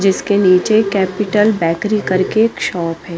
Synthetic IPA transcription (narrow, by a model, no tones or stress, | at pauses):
d͡ʒɪskeniːt͡ʃekɛːpɪʈəlbɛːkɾikɐɾkeːkʃɔːpɦɛː